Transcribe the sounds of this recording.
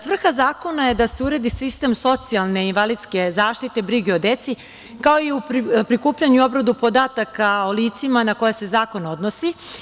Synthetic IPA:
sʋr̩xazaːko̞naje̞d̪aseuɾe̞d̪isist̪e̞mso̞t̪sialˠne̞inʋalid̪ske̞zaːʃt̪it̪e̞bɾiɡeo̞d̪e̞t̪si | kao̞iupɾikuːpʎaɲuo̞bɾad̪upo̞d̪aːt̪akaoliːt̪simanako̞jese̞zaːko̞no̞d̪nosi

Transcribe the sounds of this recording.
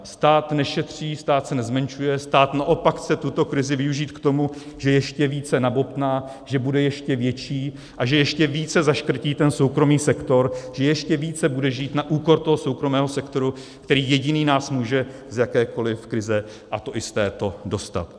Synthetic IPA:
st̪aːt̪nɛʃɛt̪r̝̥iːst̪aːt̪sɛnɛzmɛnt͡ʃujɛst̪aːt̪naʔo̞pakxt͡sɛt̪ut̪o̞kɾɪzɪvɪuʒiːt̪kt̪o̞muʒ̥ɛjɛʃcɛviːt͡sɛnabo̞pt̪naː | ʒɛbudɛjɛʃcɛvjɛt͡ʃiː | ʔaʒɛjɛʃcɛviːt͡sɛzaʃkɾ̩ciːt̪ɛnso̞wkɾo̞miːsɛkt̪o̞ɾʒ̥ɛjɛʃcɛviːt͡sɛbudɛʒiːt̪naʔuːko̞ɾt̪o̞ɦo̞so̞wkɾo̞mɛːɦo̞sɛkt̪o̞ɾukt̪ɛɾiːjɛɟɪniːnaːsmuːʒɛ | zjakɛːko̞lɪfkɾɪzɛ | ʔat̪o̞ʔɪst̪ɛːt̪o̞do̞st̪a̰t̪

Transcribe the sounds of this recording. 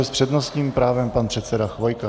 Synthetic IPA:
ɛspr̝̥ɛdno̞st̪ɲiːmpɾaːvɛmpanpr̝̥ɛt̪sɛdaxvo̞jka

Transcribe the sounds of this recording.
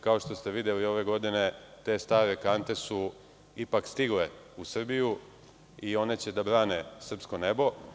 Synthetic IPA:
kao̞ʃt̪o̞st̪eʋid̪elio̞ʋe̞ɡo̞d̪ine̞t̪e̞ːst̪aːɾe̞kant̪e̞su | ipakst̪iɡle̞ | usr̩biju | io̞ne̞t͡ɕe̞d̪abɾaːne̞sr̩psko̞ne̞bo̞

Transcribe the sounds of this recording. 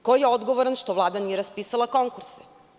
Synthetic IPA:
kojeod̪ɡoʋoɾanʃt̪oʋlˠaːd̪anijeɾaspiːsalˠako̞ŋkuɾse

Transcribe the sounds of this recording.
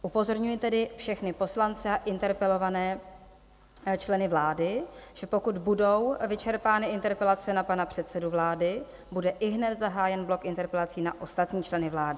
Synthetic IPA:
ʔupo̞zo̞ɾɲujɪt̪ɛdɪfʃɛxnɪpo̞slant͡sɛaʔɪnt̪ɛɾpɛlo̞vanɛː | t͡ʃlɛnɪvlaːdɪʒ̥ɛpokud̪budo̞wvɪt͡ʃɛɾpaːnɪʔɪnt̪ɛɾpɛlat͡sɛnapanapr̝̥ɛt̪sɛduvlaːdɪ | budɛʔɪɦnɛt̪zaɦaːjɛnblo̞kʔɪnt̪ɛɾpɛlat͡siːnaʔo̞st̪at̪ɲiːt͡ʃlɛnɪvlaːdɪ

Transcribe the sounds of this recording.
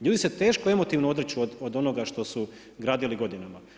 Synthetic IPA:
ʎuːd̪iset̪e̞ːʃkoe̞mo̞t̪iʋnoo̞d̪ɾet͡ɕuod̪od̪o̞noɡaʃt̪o̞su | ɡɾaːd̪iliɡo̞d̪inama

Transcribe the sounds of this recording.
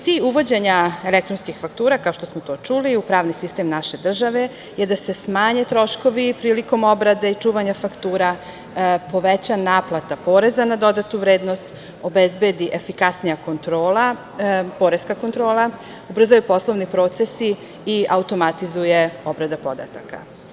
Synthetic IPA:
t̪siːʎuʋo̞d͡ʑe̞ɲae̞lek̚t̪ɾonskixfakt̪uːɾakao̞ʃt̪osmot̪o̞ːt͡ʃuliupɾaːʋnisist̪emnaʃe̞d̪r̩ʒaʋe̞ | jed̪ase̞smaːɲet̪ɾo̞ʃko̞ʋipɾiːliko̞mo̞bɾad̪eit͡ʃuːʋaɲafakt̪uːɾa | po̞ʋet͡ɕanaːplˠat̪apoːɾe̞zanad̪o̞d̪at̪uʋɾeːd̪no̞st̪ | o̞bezbe̞d̪iʔefikasnijako̞nt̪ɾoːla | po̞ɾeskako̞nt̪ɾo̞ːlˠa | ubr̩zajupo̞slˠo̞ʋnipɾo̞ːt̪se̞si | iaut̪o̞mat̪izuje̞o̞bɾad̪apo̞d̪a̰t̪aka̰

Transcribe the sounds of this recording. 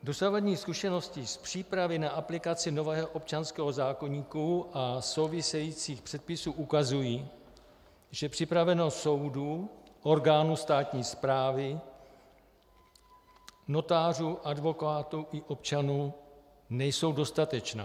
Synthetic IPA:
do̞savadɲiːskuʃɛno̞scɪspr̥iːpɾavɪnaʔaplɪkat͡sɪno̞vɛːɦoʔop̚t͡ʃanskɛːɦo̞zaːko̞ɲiːkuʔaso̞wvɪsɛjiːt͡siːxpr̥ɛt̪̚pɪsuːʔukazujiː | ʒ̥ɛpr̥ɪpɾavɛnost̪so̞wduʔo̞ɾɡaːnuːst̪aːt̪ɲiːspɾaːvɪ | no̞t̪aːr̝uːʔadvo̞kaːt̪uʔɪʔo̞pt͡ʃanuː | nɛjso̞wdo̞st̪at̪ɛt͡ʃna̰ː

